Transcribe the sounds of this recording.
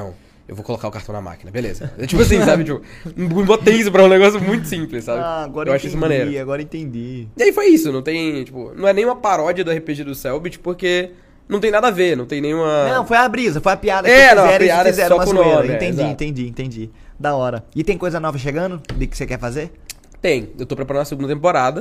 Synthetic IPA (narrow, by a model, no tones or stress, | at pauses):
nɐ̰̃w̃ | ewvokolokaʊkaɾt̪ɐ̃w̃na̰ma̰kinɐbelḛzɐt͡ʃipʊasĩsabɪt͡ʃipʊ̃bot̪ejis̬ʊpɾɐũneɡɔsjʊmũj̃t̪ʊsĩplɪssabɪaɡɔɾɐew̃aʃʊĩsʊmɐ̃nejɾɾiaɡɔɾɐẽt̪ẽnd͡ʒiiaifojisʊnɐ̃w̃t̪ẽj̃t͡ʃipʊ̰nɐ̃w̃ɛnẽj̃ũmɐpaɾɔd͡ʒɐd̪ʊɛhepeʒed̪ʊsɛwbit͡ʃʊ̥poɾke | ñw̃t̪ẽj̃nad̪ɐvenɐ̃t̪ẽj̃nẽj̃ũmɐnnɐ̃w̃fojabɾizɐfojɐpiad̪ɐɛnɐ̃w̃ɛɾĩad̪ɐɛɾ̃ɔmɐsnoẽɾmeɪ̃ɛt̪ẽziẽnt̪ẽd͡ʒiẽnt̪ẽd͡ʒi | d̪aɔɾɐɪt̪ẽj̃kojzɐnɔvɐʃeɡɐ̃nd̪ʊd̪ɪkɪ̥sekɛɾfazeɾ | t̪ẽj̃ewt̪opɾepaɾɐ̃nɐseɡũd̪ɐt̪̬ẽmpoɾad̪ɐ